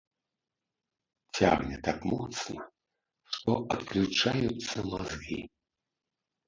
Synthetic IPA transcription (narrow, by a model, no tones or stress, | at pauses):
t͡sʲa̰ɣnʲɛt̪akmɔt̪snɐ | ʂt̪ɔʔɐt̪klʲut͡ʂajut̪sːɐmazɣʲḭ